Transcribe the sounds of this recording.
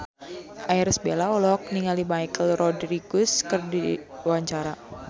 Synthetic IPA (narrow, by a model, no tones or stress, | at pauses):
ʔairsəbelaɔlɔk̚niŋalimajkəlrɔdɾiɡuskərdiwaɲt͡ʃaɾa